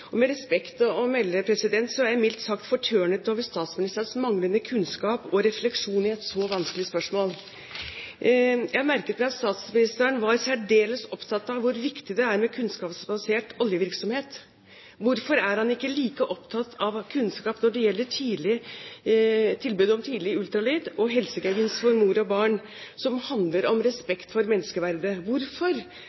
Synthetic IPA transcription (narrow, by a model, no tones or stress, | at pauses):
ɔmɛɾɛspɛkt̪ɔɔmɛlːəpʰɾɛsɪd̪ɛnt̪sɔæmɪlt̪sɑkt̪fɔʈʰøːɳət̪oːʋəʂt̪ɑːt̪smɪnɪst̪əsmɑŋlənəkʰʉnskɑːpɔɾɛflɛkʂuːnɪɛt̪sɔʋɑnskəlɪspœʂmoːl | jæɪhɑmæɾkət̪mæɑt̪st̪ɑːt̪smɪnɪst̪əənʋɑɾsæɖeːləsɔpt̪ʰɑt̪ːɑʋʊɾʋɪkt̪ɪd̪ɛæɾmɛkʰʉnskɑːpsbɑseːʈɔljəʋɪɾksɔmheːt̪ | ʋʊɾfɔɾæɾhɑnɪkːəliːkəʔɔpt̪ʰɑt̪ːʰɑʋkʰʉnskɑːpnɔɖɛjɛlːəʈʰiːlɪ | t̪ʰɪlbʉːd̪əɔmt̪ʰiːd̪lɪʉlt̪ɾɑlyːd̪ɔɦɛlsəɡæʋɪnsfɔɾmuːɾɔbɑːɳ | sɔmhɑnd̪ləɾɔmɾɛspɛkt̪fɔɾmɛnːəskəʋæɾd̪əʋʊɾfɔɾ